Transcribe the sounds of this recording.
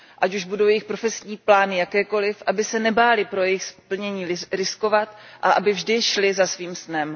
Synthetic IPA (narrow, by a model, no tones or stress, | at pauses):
ʔacuʒbudowjɛjɪxpɾofɛsɲiːplaːnɪjakɛːko̞lɪfʔabɪsɛnɛbaːlɪpɾo̞jɛjɪxspl̩ɲɛɲiːɾɪsko̞vat̪ʔaʔabɪvʒdɪʃlɪzasviːmsnɛm